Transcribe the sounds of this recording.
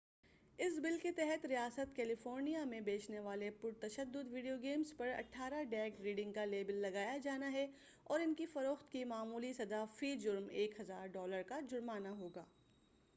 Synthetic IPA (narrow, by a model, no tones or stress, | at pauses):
ɪsbɪlket̪ɛɦɛt̪ɾijaːsət̪kɛːlɪfoːɾnijamẽbeːt͡ʃneʋaːlepʊɾt̪ɐʃəd̪ːʊd̪ʋiːɖijoɡeːmzpɐɾɐ̰ʈʰːaːɾaɖɛːkɾiːɖɪ̃ŋɡkaleːbəlːɐɡaːjad͡ʒaːnaɦɛ | ɔːɾɪnkifɐɾoːxt̪kimaːmuːlisɐd̪afiːd͡ʒʊɾmeːkɦɐzaːɾɖɔːləɾkad͡ʒʊɾmaːnaɦoːɡaː